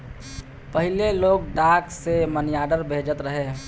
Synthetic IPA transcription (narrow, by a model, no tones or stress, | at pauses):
pəɦɪleloːɡ̚ɖaːksemənjaːɖəɾbʱeːd͡ʒət̪ɾəɦeː